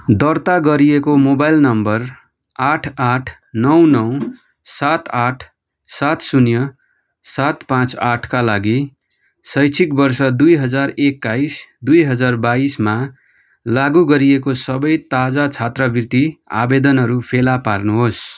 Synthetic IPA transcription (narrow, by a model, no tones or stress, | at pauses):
d̪ʌrt̪aɡʌɾiekomobajlnʌmbʌr | aʈʰaʈʰ | nʌw̃nʌw | sat̪aʈʰ | sat̪sunjʌ | sat̪pãt͡saʈʰkalaɡi | sʌjt͡sʰikbʌrsʌd̪ujɦʌd͡zarekːajsd̪ujɦʌd͡zarbaisma | laɡuɡʌɾijekosʌbʌjt̪ad͡zat͡sʰat̪rʌbirt̪ia̰bed̪ʌnɦʌɾupʰelaparnuɦos